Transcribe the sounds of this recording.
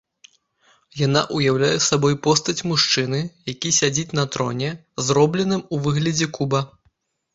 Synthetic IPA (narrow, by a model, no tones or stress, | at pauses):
jana̰ʔujawlʲajɛsabɔjpɔst̪ɐt͡sʲmuʂt͡ʂɨnɨjakʲisʲad͡zʲit͡sʲnɐt̪ɾɔ̰nʲɛ | zɾɔblʲɛnɨmuvɨɣlʲɐd͡zʲɛkubɐ